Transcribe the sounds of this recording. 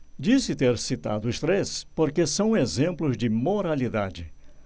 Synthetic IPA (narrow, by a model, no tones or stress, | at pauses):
d͡ʒisɪt̪eɾsit̪a̰d̪ʊʊst̪ɾespoɾkesɐ̃w̃ezẽmplʊzd͡ʒɪmoɾalid̪ad͡ʒɪ